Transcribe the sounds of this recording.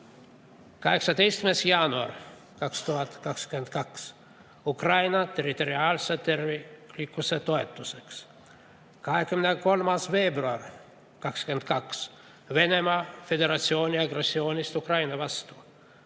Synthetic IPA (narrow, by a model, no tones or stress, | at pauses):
kɑɦeksɑt̪ejst̪mesjɑnuɑ̰r | kɑkst̪uɦɑt̪kɑkskyment̪kɑks | ukrɑjnɑt̪eɾit̪o̞ɾiɑːlset̪ervilikːuset̪oet̪ːuseks | kɑɦekymneko̞lmɑsveːbruɑr | kɑkskyent̪kɑks | ve̞nemɑːfe̞d̪eɾɑt̪sio̞ːnʲiɑɡresːioːnʲist̪ukrɑjnɑvɑst̪uː